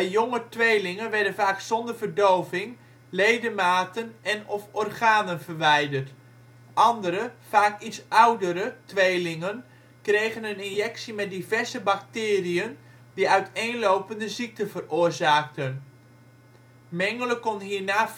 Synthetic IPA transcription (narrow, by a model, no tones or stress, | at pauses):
ʋɛjjɔŋətʋejlɪŋənʋɛɹdənvaːksɔndəɹvərdowvɪŋ | lejdəmaːtənɛnɔfɔrχaːnənvərʋɛjdərt | ʔɑndəɾəv̥aːkitsʔʌwdəɾətʋejlɪŋən | krejχənənɪnjɛksimɛt̚divɛɹzəbɑk̚tɪːriən | diœɥtejnlowpəndəzik̚təvərʊːrzaːk̚tən | mɛŋələkɔnɦiːɹnaː